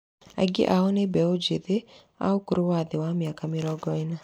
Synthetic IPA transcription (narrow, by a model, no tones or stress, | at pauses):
a̰ɡɪ̰ʔaonebɛod͡ʒeðe | a̰okuɾowad̪ɪwamjakamɪɾɔɡɔɪna